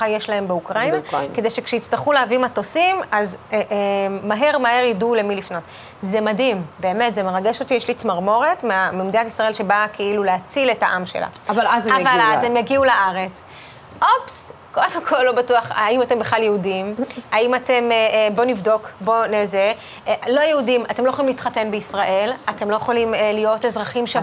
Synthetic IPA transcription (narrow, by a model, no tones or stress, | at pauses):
ajeʃlaɦe̞mbeukʁainakede̞jʃe̞kʃeit͡staχuleavimato̞simazeʔːaɦe̞ʁmaɦe̞ʁjidule̞milifno̞t | zemadimbe̞ːmetzemeʁaɡe̞ʃo̞tijeʃlit͡smaʁmo̞ʁetmeamimd̪iatisʁaelʃe̞bakʰeiluleat͡sile̞taʔamʃe̞̰la̰avalazavallazemjaɡiulaʔaʁe̞t͡s | ʔo̞psko̞demkʰo̞lːo̞batuaχaimate̞mbeχlaljeudimaimate̞mbo̞nivdo̞kbo̞neze | lo̞jeudimatemlojeolimlitχate̞nbeisʁaʔe̞latemlo̞jeχolimlijo̞te̞zʁaχimʃa